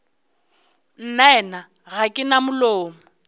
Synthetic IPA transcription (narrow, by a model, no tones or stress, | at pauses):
n̩nɛːna | ɣakʼɪnamʊloːmɔ